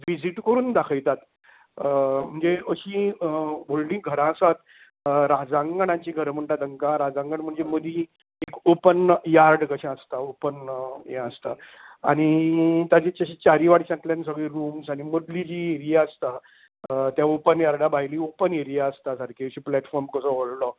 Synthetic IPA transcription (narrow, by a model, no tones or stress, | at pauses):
ʋid͡ʑiʈkəɾuːnd̪akʰəjt̪at̪ | m̤əɳd͡zeəɕĩːbollĩːɡʱəɾãsat̪ | ɾad͡zãŋɡɳ̃ãɲt͡ɕiːɡʱəɾm̤əɳʈ̪at̪əŋkãɾad͡zãŋɡəɳm̤əɳd͡zeməd̪ʱĩ | ekopənjaɾɖkəɕãəst̪aopənjɛ̃əst̪a | a̰ɽ̃it̪jat͡ɕet͡ɕaɕit͡ɕaɾiʋaɽt͡ɕãkljãns̬əɡɭiɾumsaɽ̃imod̪lid͡ʑieɾiaəst̪a | t̪jaopənjaɾɖabaɦjiliːopəneɾijaəst̪asaɾkʰeəɕiplɛʈfɔɾmkəsɔʋollɔ